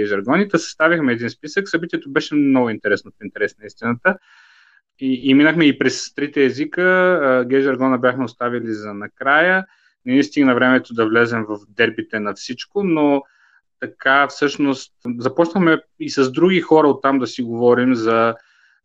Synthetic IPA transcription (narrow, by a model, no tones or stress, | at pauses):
ɛʒɛɾɡɔnit̪ɛsɐ̥st̪avixmɛːd̪inspisəksɐbit̪ʲiɛt̪obɛʃɛmnɔɡʊint̪ɛɾɛsnopint̪ɛɾɛsnonɐist̪inət̪ə | iːminəxmɛipɾɛst̪ɾit̪ɛːzikəɡɛʒɛɾɡɔnəbʲjaxmɛʊst̪avilizɐnɐkɾajə | nɛnist̪iɡnɐvɾɛmɛt̪od̪ɐvlɛzɛmvɐvd̪ɛɾbit̪ɛnɐfsit͡ʃkono | t̪ɐkafsɤʃnost̪zɐpɔt͡ʃnəxmɛ | isɐzd̪ɾuɡixɔɾɐot̪ːamd̪ɐsiɡovɔɾimzɐ